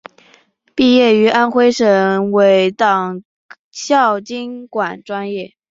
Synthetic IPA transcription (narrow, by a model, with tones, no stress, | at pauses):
pi˥˧jɛ˥˩y˧˥ʔa˥nxwe˥ɪʂə˧˥˩we˧˥ɪt̪ɑ˨˩ŋ | ɕjɑ˥˩ʊt͡ɕi˥nkwa˨˩nʈ͡ʂwa˥njɛ˥˩